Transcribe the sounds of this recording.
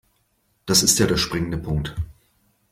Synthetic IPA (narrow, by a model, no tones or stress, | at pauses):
d̥asɪstjaːdeːɐʃpʁ̥ɪŋəndəpʰʊŋk̚t